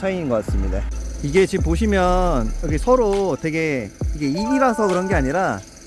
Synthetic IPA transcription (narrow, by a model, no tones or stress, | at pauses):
t͡ɕʰainɡʌk͈ats͈ɯmɲida̰iɡe̞t͡ɕimp̬oɕ̬ʰimjʌnjʌɡisʰʌɾotwe̞ɡe̞iɡe̞iɡiɾasʰʌkɯɾʌnɡe̞aɲiɾa